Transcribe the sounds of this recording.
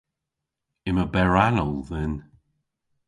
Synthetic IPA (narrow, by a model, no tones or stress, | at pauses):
ɪməbɛɹanɔlˠðɪn